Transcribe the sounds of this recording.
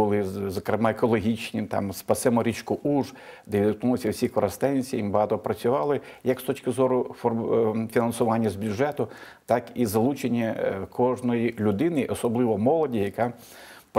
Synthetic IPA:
ʊlˠɪzɔkɾemɑekɔlˠɔɦʲit͡ʃnʲit̪ɑ̰mspɐsɛmɔɾʲit͡ʃkʊʔuʒd̪ɛʋʲid̪knulˠɪsʲɐwsʲikɔɾɐst̪ɛnʲsʲijimbɦɑt̪ɔpɾɐt͡sʲʊʋɑlˠɪjɐkst̪ɔt͡ʃʲkɪzɔɾʊfɔfʲinɐnsʊʋɑnʲːɐzbʲjʊʐɛt̪ʊ | t̪ɑkizɐlˠut͡ʃenʲːɐkʰɔʒnɔjilʲʊd̪ɪnɪʔɔsɔblˠɪʋɔmɔlˠɔdʲijɐkɑ | p

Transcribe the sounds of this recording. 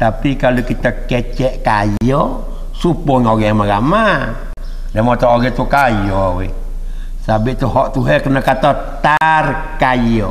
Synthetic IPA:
t̪apikalokit̪akɛt͡ʃɛʔkajɔ | supɔŋoɡɛmaɡama | dɛmɔt̪ɔoɡɛt̪ukajɔwɛ | sabiʔt̪uɦɔʔt̪uɦɛkənakat̪a | t̪ar | kajɔ

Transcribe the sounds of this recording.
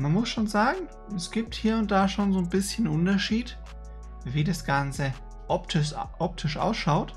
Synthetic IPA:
manmʊsʃoːnzaːɡŋ̩ | ɛsɡ̥iːp̚thiːɐʊnt̚d̥aːʃoːnzoːnbɪsçənʔʊntɐʃiːt | viːdasɡ̥ant͡sə | ʔɔptʰɪʔɔp̚tʰɪʃʔa̰ʊsʃaʊt

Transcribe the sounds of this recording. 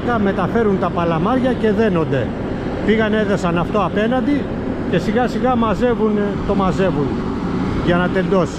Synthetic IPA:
k̪ɐme̞t̪ɐfe̞ɾunt̪ɐpɐlɐmɐɾʝɐce̞ðe̞no̞nd̪e̞ | piɣɐne̞ðosɐnɐft̪o̞ɐpe̞nɐnd̪i | ce̞siɣɐsiɣɐmɐze̞vunt̪o̞mɐze̞vun | ʝɐnɐt̪e̞nd̪o̞s

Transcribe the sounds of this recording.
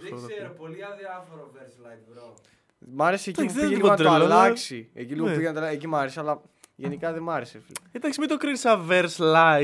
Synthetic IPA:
esseɾopoliɐðiɐfoɾoveɾslɐj | mɐɾesiec̪ieɐt̪ɾeɐlɐksieciliɣopiʝenɐt̪ɐlɐecimɐɾesiɐlɐ | ʝenikɐðemɐɾeseficit̪ɐksimid̪okɾinisɐveɾslɐ

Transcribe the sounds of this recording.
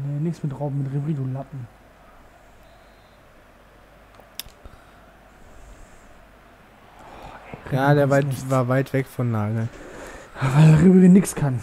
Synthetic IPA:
nenɪksmɪtʁaʊbm̩mɪtʁibʁiːdulap̚m̩ | jaːdeːɐvaɪtvaːɐvaɪtv̥ɛkfɔnlaːɡl̩ː | vaɪlʁibʁinɪkskʰan

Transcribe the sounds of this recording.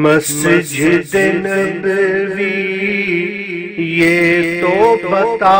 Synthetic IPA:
mɐsd͡ʒʱɪd̪ɪnbɪʋi | jeːt̪obɐt̪a

